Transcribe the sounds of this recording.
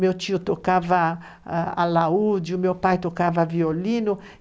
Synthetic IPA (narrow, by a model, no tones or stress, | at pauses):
mewt͡ʃiːut̪okava | a̰laud͡ʒumewpajt̪okːavavioliːnʊ